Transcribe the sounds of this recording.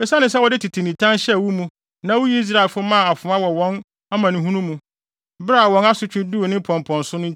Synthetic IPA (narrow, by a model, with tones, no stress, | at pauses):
ɛ˨sa˦nɪ̃˦s̬ɛ˦wɔ˨dɪ˦tʰi˨tʰi˨nĩ˨tʰã˦nɕɛ˦˨wu˦mũ˦ | nã˦wʊ˦ji˦i˦s̬ɾa˦˨e˨fʊ˦mã˦˨a˨fʊ̃˨a˦wɔ˨wɔ̃˦n | a˦mã˨nɪ̃˨˦ɦũ˦nũ˦mũ˨ | bɾa˦˨wɔ̃˦na˦sʊ˨˦t͡ɕᶣɪ̃˦du˦o˨nɪ̃˦m˦pʰɔ̃˨m˨pʰɔ̃˨nsʊ˦nʊ̃˦